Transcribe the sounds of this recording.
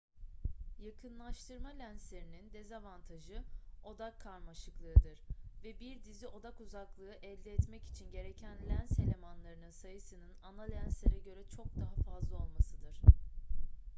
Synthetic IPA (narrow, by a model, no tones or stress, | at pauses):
jakʰɯnlˠaʃt̪ʰɯɾmalʲænslʲe̞ɾinind̪e̞zavant̪ʰaʒɯo̞d̪akʰːaɾmaʃɯklˠɯːd̪ɯɾvɛbiɾd̪iziʔo̞d̪akuzaklˠɯːʔɛlʲd̪ɛːt̪mɛci̥t͡ʃʰinɟe̞ɾecʰænlʲænselʲe̞manlˠaɾɯnɯnsajɯsɯnɯnanalʲænslʲeɾɛɟø̞ɾɛt͡ʃʰo̞k̚d̪aɦafazlˠao̞lˠmasɯd̪ɯɾ̥